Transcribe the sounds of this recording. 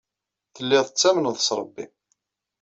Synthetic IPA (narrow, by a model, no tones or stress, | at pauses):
θəlːɪðˤət͡sːæmənðˤəsɾˤəbːi